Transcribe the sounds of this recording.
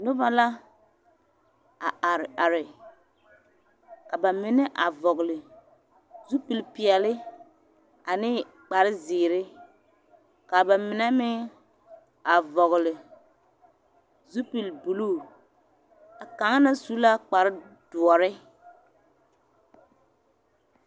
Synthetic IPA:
nʊ˦ba˦la˦ | a̰˨ʔa˨ɾɪ˨a˨ɾɪ˨ | ka˨ba˨mɪ˨nɛ˦ʔa˨vɔ˨ɣlɪ˨ | zu˦pi˨lpɪ˨ɛ˨lɪ˦ | a˨nɪː˦ | k͡pa˨ɾɪ˦zɪː˨ɾɪ˦ | ka˨ba˨mɪ˨nɛ˦mɪ˦ŋ | a˨vɔ˨ɣlɪ˨ | zu˦pi˨lbu˨luː˦˨ | a˨ka˨˦ŋ˦na˦su˨˦la˦k͡pa˨ɾɪ˦d̥ʊ˨ɔ˨ɾɪ˦

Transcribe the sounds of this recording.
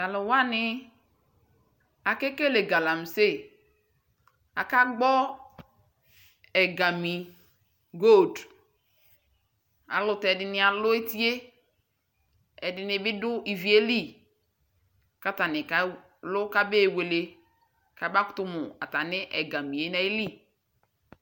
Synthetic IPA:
a˨lʊ˨wa˦nɪ˦ | a˨ke˦ke˦le˨ɡa˨la˨m˨se˦˨ | a˨ka˦ɡ͡bɔ˦ | ɛ˨ɡa˨mi˨ | ɡo˦˨d | a̰˨lʊ˨tɛ˨dɪ˨nɪ̃˨˦a˨lʊ˦e˦ti˦e˦ | ɛ˨dɪ˨nɪ˨bɪ˦dʊ˦i˨vi˨e˦li˦˨ | ka˦ta˨nɪ˨ka˨ | lʊ˦ka˦be˦˨we˨le˨ | ka˨˦ba˦kʊ̥˦tʊ˦mʊ˨a̰˨ta˨nɪ˦ʔɛ˨ɡa˨mi˨je˦na˦i˦li˦

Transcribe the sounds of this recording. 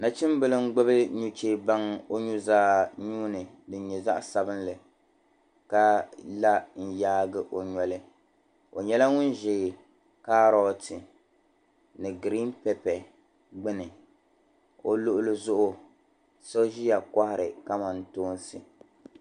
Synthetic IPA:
na˨t͡ʃɪ˦mbɨ˨lɨ˦ŋ̩˦ɡ͡bɨ˦bɨ˦ɲu˦t͡ʃe˦ba˦ŋo˦ɲu˦zaː˦ɲuː˦nɨ˨ | dɨ˨˦ɲɛ˨za̰˦ʔsa˨bɨ˦nlɨ˨ | ka˦la˦n̩˨jaː˦ɡɨ˨ʔo˨ɲɔ˨lɨ˦ | o̰˨ɲɛ˦la˦ŋʊ˦n˦ʒɛ˨ | ka˦ɾɔ˦tɨ˨ | nɨ˨ɡɾi˦npɛ˦pɛ˨ | ɡ͡bɨ˦nɨ˨ | o˨lʊ˦ʔʊ˦lɨ˦zʊ˦ʔʊ˦ | so˦ʒi˦ja˨ka˦hɪ˨ɾɨ˨ka˦ma˨n˨toː˦n˦sɨ˨

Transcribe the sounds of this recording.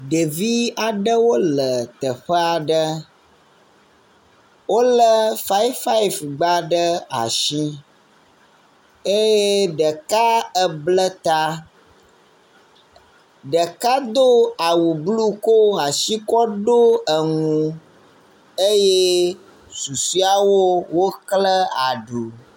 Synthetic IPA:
ɖə˨vi˦a˨ɖə˦wo˦lə˨t̪ə˨ɸə˦a˨ɖə˦ | wo˦lə˦fa˦jfa˦i˨vɡ͡ba˦ɖə˦a̰˨ʃi˦ | e˦jɛ˦ɖə˨ka˦ə˦blə˦t̪a˦ | ɖə˨ka˦d̪o˦a˨wu˨blu˦ko˦a˨ʃi˦kɔ˦ɖo˦ə˨ŋũ˨ | e˦je˦ | su˨si˦a˦wo˦wo˦klə˦a˨ɖu˨

